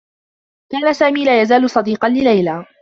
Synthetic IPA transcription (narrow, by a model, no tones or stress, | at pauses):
kaːnasaːmiːlaːjazaːlʊsˤɑd̪iːqɑnlɪlajlaː